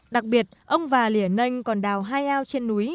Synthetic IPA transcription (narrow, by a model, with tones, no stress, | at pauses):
ɗa˨˩k̚ɓi˨˩ət̚ʔə˧wŋ͡mvaː˨˩li˧˩ənə˧jŋ̟kɔ˨˩nɗaː˨˩wɦaː˧jʔaː˧wt͡ɕe˧nːu˨˦j